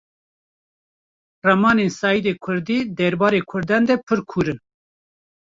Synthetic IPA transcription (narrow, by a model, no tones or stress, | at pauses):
rɛmɑːnensɑːjid̪eːkʰʊɾd̪iːd̪ɛɾbɑːɾeːkʰʊɾd̪ɑnd̪ɛpʰɨɾkʰuːɾɨn